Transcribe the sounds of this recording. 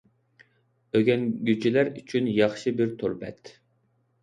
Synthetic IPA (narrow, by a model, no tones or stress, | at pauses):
øɡʲɛnɡʲyd͡ʒilæɾyt͡ʃʰynjɑχʃɨbɪɾt̪ʰoɾbɛ̰t̪